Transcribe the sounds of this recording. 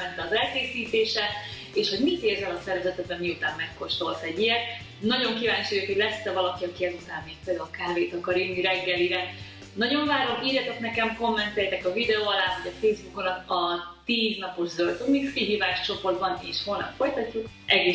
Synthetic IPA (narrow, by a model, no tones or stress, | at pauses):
ɛnt̪ɛɒzɛlkeːsiːt̪eːʃɛ | eːʃho̞ɟmit̪eːrzɛlɒsɛɾvɛzɛt̪ɛd̪̚bɛmːiut̪aːmːɛkːo̞ʃt̪o̞lt̪ɛɟːijɛt̪̚ | nɒɟo̞ŋkivaːɲt͡ʃujukho̞ɟlɛsːɛvɒlɒkiɒkiɛzut̪aːmːeːk̚peːld̪aːlkaːveːt̪ɒkɒɾjynːiɾɛɡːɛliɾɛ | nɒɟo̞ɱvaːɾomiːrjɛt̪ɛknɛkɛmko̞mːɛnt̪ɛjt̪ɛkɒvid̪ɛoːɒlaːɦoɟɒfeːzbukonɒkɒt̪iːznɒpo̞ʒzølt̪omiskiɦiːvaːʃt͡ʃo̞po̞rd̪bɒnḛːʃholnɒ̰fo̞jt̪ɒcːuk | ʔɛɡeː